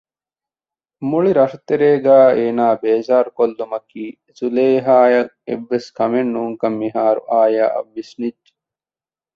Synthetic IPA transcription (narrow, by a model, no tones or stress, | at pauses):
muɭiɾɐʂɐt̪eɾeːɡæːeːnaːbeːzaːɾukolːumɐkiː | zuleːɦaːjɐ | ḛʋːeskɐmenːuːŋkɐmːiɦaːɾṵʔaːjaːʔɐ̰ʋːisnidːe̥